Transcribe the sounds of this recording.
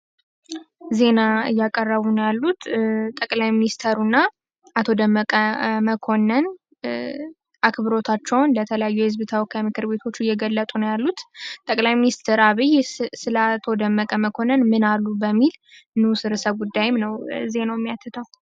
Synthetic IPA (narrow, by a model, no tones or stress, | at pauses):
ze̞naɨjːakʼərːəβunjalːut̪t̪ʼəkʼlajminist̪ʰəɾunːa | ʔat̪ʰo̞d̪əmːəkʼəməkʰo̞nːən | ʔakbɨɾo̞t̪ʰat͡ʃːɛwnlət̪ʰələjajːujɛhɨzbt̪ʰəwɔkʰamɨkʰɨɾbe̞t̪ʰo̞t͡ʃːujɛɡəlːət̪ʼunjalːut̪t̪ʼəkʼlajminist̪ʰəɾaβijsɨləat̪ʰo̞d̪əmːəkʼəməkʰo̞nənmɨnalːubəmːilɨnɨsɨɾɨsəβɡud̪ːajɪmnəwze̞nəwmːijat̪ʰːɨt̪ʰəw